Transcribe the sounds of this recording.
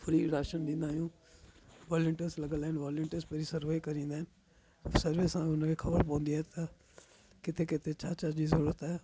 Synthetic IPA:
pʰʊɾiːɾaːʃənd̪ɪ̃ːnd̪aːjũː | ʋaːlɪɳʈəsləɡəlɛːnʋaːlə̃ɳʈəspəɾiːsəɾʋeːkəɾĩːnd̪aːn | səɾʋɪsãːʊnãkekʰəbəɾpɔ̃ːnd̪iɛːt̪a | kɪt̪ʰeːkɪt̪ʰet͡ʃʰaːt͡ʃaːd͡ʒiːzoɽət̪ɛː

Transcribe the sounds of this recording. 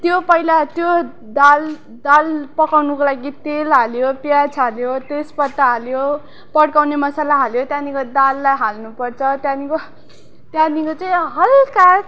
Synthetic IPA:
t̪jopʌilat̪jo | d̪al | d̪alpʌkawnukolaɡit̪elɦaljopjat͡sʰaljot̪espʌt̪ːaɦaljo | pʌɽkawnemʌsalaɦaljot̪janikod̪alːajɦalnupʌrt͡sʰʌt̪janiko | t̪jãnikot͡sʌj̃ɦʌlka

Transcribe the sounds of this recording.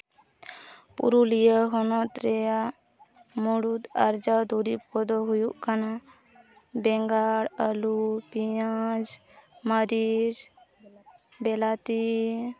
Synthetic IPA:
pṵɾulijəɦɔnɔt̪ɾɛa | muɽut̪a̰ɾd͡ʒawd̪uɾipɔd̪ɔɦujuʔkana | bɛŋɡaɽəlupiad͡ʒ | məɾid͡ʒ | bɛlat̪i

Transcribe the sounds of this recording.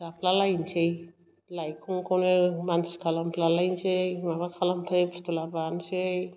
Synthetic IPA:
apʰlalajnsej | lajkʰuŋkʰonemanskʰalampʰlalajnsejmabakʰalampʰlajpɾt̪ulabanse

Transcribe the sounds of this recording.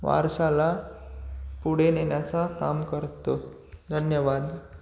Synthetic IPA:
ʋa̰ɾsala | puɽeneɳjat͡saka̰mkəɾt̪o | d̪ʱənjəʋad̪

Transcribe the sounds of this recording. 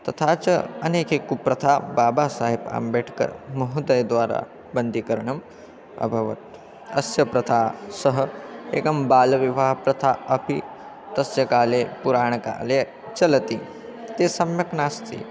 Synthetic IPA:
t̪ɐt̪ʰaːt͡ʃɐɐneːkeːkːupɾɐt̪ʰaːbaːbaːsaːɦiba̰ːmbeːʈʰkɐ̰ɾmɐɦud̪ɐjd̪ʋaːɾa̰ː | bɐnd̪ʱikɐɾɳɐm | ɐ̰bʱɐʋɐ̰t̪̚ | ɐsjɐpɾɐt̪ʰaːsɐɦɐ̆ḛːkɐmbaːlɐʋiʋaːɦpɾɐt̪ʰaːɐpʰi | t̪ɐsjɐkaːleːpuɾaːɳ̃ka̰ːle | t͡ʃɐlɐt̪i | t̪eːsɐmjɐknaːst̪ʰḭ

